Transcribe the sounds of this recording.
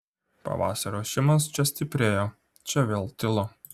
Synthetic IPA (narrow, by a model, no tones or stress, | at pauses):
pɐ̰ʋɑ̰ːsɐɾoːʃʲɪmɐst͡ʃʲɛsʲt̪ʲɪpʲɾʲeːjoː | t͡ʃʲɛʋʲeːlˠt̪ʲɪlˠo